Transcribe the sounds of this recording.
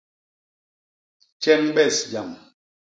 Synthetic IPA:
t͡ʃɛ˦mɓɛ˦˨sd͡ʒa˨m

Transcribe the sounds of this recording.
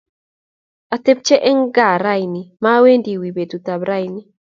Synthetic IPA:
a˨t̪e˦p̚t͡ʃe˦ʔɛ˦ŋɡa˨ɾa˦jni˨ma˦we˦ndi˨wi˨be˨tu˨t̪a˨bɾa˦jni˦

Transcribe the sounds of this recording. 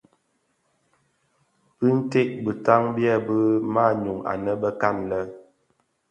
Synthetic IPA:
pi˦n̩˦te˦ʔbə˨ta˦ŋbjɛ˦˨bə˦ma˦˨ɲu˨ŋa̰˨nə˦bə˦ka˦˨nlə˦

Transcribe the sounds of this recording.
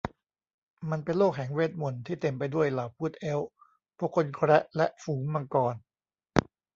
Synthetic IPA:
ma˧npe˧nloː˥˩k̚ɦɛ˨˩˦ŋweː˥˩t̪̚mo˨˩nt̪ʰiː˥˩t̪e˧mpa˧jdu˥˩əjlaː˨˩wpʰuː˥˩t̪̚ʔe˦˥w | pʰu˥˩kʰːo˧nkʰɾɛ˦˥ʔlɛ˦˥ʔfuː˩˦ŋma˧kɔː˧n

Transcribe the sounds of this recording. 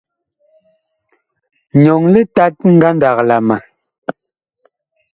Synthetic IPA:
ɲɔ˨ŋle˦ta˦t̚ŋ̩˦ɡa˦nda˨k̚la˨ma˨

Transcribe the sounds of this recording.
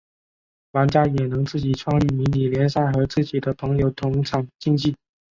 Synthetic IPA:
wa˧˥nt͡ɕja˥jɛ˨˩nɤ˧˥ŋt͡sɹ̩˥˩t͡ɕi˨˩ʈ͡ʂʰwɑ˥˧ŋli˥˩mi˧˥nt̪i˨˩ljɛ˧˥nsa˥˩ɪxɤ˧˥t͡sɹ̩˥˩t͡ɕi˨˩d̪ə˦pʰɤ˧˥ŋjo˧˥ʊt̪ʰʊ˧˥ŋʈ͡ʂʰɑ˨˥ŋt͡ɕi˥˧ŋt͡ɕi˥˩

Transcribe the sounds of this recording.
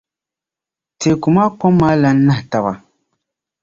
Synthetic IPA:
te˨ku˨ma˦k͡pɔ˦mːaː˦la˦n̩˦na˦hta˨ba˨

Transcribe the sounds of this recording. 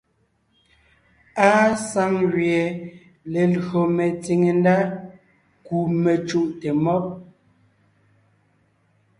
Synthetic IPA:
aː˦sa˦ŋɣje˨ | le˨lɣo˨me˨t͡si˨ŋe˨nda˦ | ku˨me˨t͡ʃu˦ʔte˨mɔ˦p̚

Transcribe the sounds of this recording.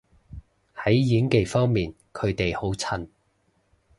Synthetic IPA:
hɐ˨˥jjiː˨˥ŋke˨jfɔː˥ŋmiː˨n | kʰɵ˨˧ɥt̪e˨jho˨˥wt͡sʰɐ˨˩n

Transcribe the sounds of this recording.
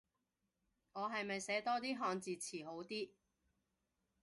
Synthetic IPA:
ŋɔː˨˧ɦɐ˨jmɐ˨jsɛː˨˥t̪ɔː˥t̪iː˥ɦɔː˧ŋt͡siː˨t͡sʰiː˨˩ɦo˨˥wt̪iː˥

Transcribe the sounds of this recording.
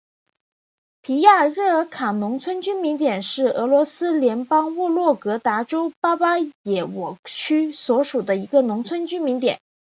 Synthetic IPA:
pʰi˧˥ja˥˩ɻɤ˥˩kʰa˨˩nʊ˧˥ŋt͡sʰwə˥nt͡ɕy˥nmi˧˥nt̪jɛ˨˩nʂɻ̩˥˩ɤ˧˥lwɔ˧˥sɹ̩˥ljɛ˧˥npɑ˥ŋwɔ˥˧lwɔ˥˩kɤ˧˥t̪a˧˥ʈ͡ʂo˥ʊpa˥pa˥jɛ˨˩wɔ˨˩t͡ɕʰy˥swɔ˧˥ʂu˨˩d̪ə˦i˧˥ɡə˧nʊ˧˥ŋt͡sʰwə˥nt͡ɕy˥nmi˧˥nt̪jɛ̰˨˩˦n

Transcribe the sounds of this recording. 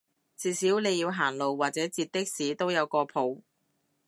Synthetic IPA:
t͡siː˨˧siː˨˥wne˨˧jːiː˧wɦaː˨˩nlo˨wːaː˨k̚t͡sɛː˨˥t͡siː˧t̚t̪ɪ˥k̚siː˨˥t̪o˥wjɐ˨˧wkɔː˧pʰo˨˥w

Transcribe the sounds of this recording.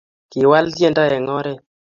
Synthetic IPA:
ki˨wa˦ltje˦nda˦ɛ˨ŋɔ˦ɾɛ˦

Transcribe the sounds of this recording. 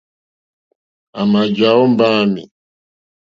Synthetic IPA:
a˨ma˨d͡ʒa˨˦ɔ˦m˦ba˦mḭ˨

